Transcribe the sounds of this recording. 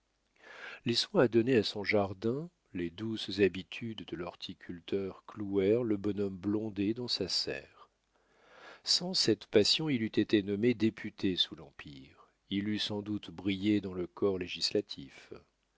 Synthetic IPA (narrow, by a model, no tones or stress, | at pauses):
leswɛ̃ad̪ɔneasɔ̃ʒaʁd̪ɛ̃ | led̪uszabit̪ʰyd̪ːəlɔʁt̪ʰikʲʰylt̪œʁkluɛʁləbɔnɔmblɔ̃d̪ed̪ɑ̃sasɛ̰ːʁ | sɑ̃sɛt̪pasjɔ̃ilyt̪et̪enɔmed̪epʰyt̪ʰesulɑ̃piʁ | ilysɑ̃d̪ut̪bʁijed̪ɑ̃ləkʰɔʁleʒislat̪ʰif